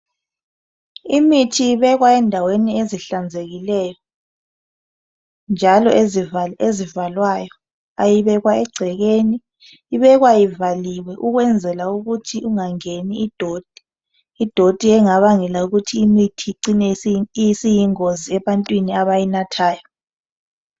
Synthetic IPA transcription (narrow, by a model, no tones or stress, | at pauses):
imitʰiːβɛɣwaɛndʱawenieziɬand͡zʱeɣilɛːjɔ | nd͡ʒʱalɔ̰eziezivalwajɔ | ajiβɛɣwaɛɡ͡ǀʱɛɣeniː | βɛɣwajivaliwɛʔuɣwɛnd͡zʱɛlauɣutʰiʔuŋaŋeniːd̥ʱod̥ʱi̥ː | d̥ʱod̥ʱiɛŋaβaŋɛlauɣutʰiːmitʰiǀinɛjisijiŋoziɛβantʼwiniaβajinatʰaːjɔ